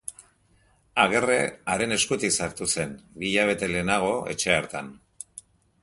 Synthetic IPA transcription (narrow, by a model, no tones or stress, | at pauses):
aɣ̞e̞re̞aɾe̞ne̞skut̪iksaɾt̪use̞nβiʎaβ̞e̞t̪e̞le̞naɣ̞o̞e̞̰t͡ʃe̞aɾt̪an